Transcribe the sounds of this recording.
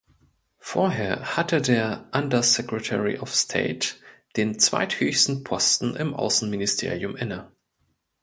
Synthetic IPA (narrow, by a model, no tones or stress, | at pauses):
foːɐɦeːɐhatədeːɐʔandɐsɛkʁ̥ɛtʰɛʁḭʔɔfstʰḛɪtd̥eːnt͡sv̥a̰ɪthøːçstn̩pʰɔstn̩ʔɪ̰mʔa̰ʊsn̩mɪnɪstʰḛːʁiʊmʔɛnə